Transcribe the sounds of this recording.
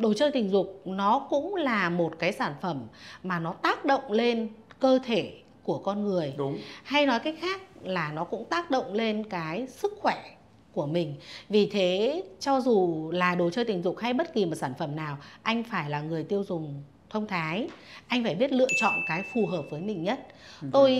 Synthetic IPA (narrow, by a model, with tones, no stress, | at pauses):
ɗo˨˩t͡ɕəː˧jt̪ï˨˩ŋ̟zʊ˨˩k͡p̚nɔ˨˦kʊ̰˧˥ŋ͡mlaː˨˩mo˨˩t̚kaː˨˦jsaː˧˩nfə˧˩mmaː˨˩nɔ˨˦t̪aː˦˥k̚ɗə̰˧˨wŋ͡mle˧nkəː˧t̪ʰe˧˩ | ku˧˩əkɔ˧nŋɨ˨˩əjha˧jnɔ˨˦jkaː˦˥jk̟̚xaː˦˥k̚laː˨˩nɔ˨˦kʊ̰˧˥ŋ͡mt̪aː˦˥k̚ɗə̰˧˨wŋ͡mle˧nkaː˨˦jsɨ˦˥k̚xwɛ˧˩ | ku˧˩əmï˨˩ŋ̟vi˨˩t̪ʰe˨˦t͡ɕɔ˧zu˨˩laː˨˩ɗo˨˩jt͡ɕəː˧t̪ï˨˩zʊ̰˧˨ŋ͡mha˧jɓə˦˥t̚ki˨˩mo˨˩t̚saː˧˩nfə˧˩mnaː˨˩wʔa˧jŋ̟faː˧˩jlaː˨˩ŋɨ˨˩əjt̪i˧əwzʊ˨˩ŋ͡m | t̪ʰə˧wŋ͡mt̪ʰaː˨˦jʔa˧jŋ̟faː˧˩jɓi˦˥ət̚lɨ̰˧˨ət͡ɕɔ̰˧˨nkaː˨˦jfu˨˩ɦəː˨˩p̚vəː˨˦jmï˨˩ŋ̟ɲə˦˥t̚t̪o˧j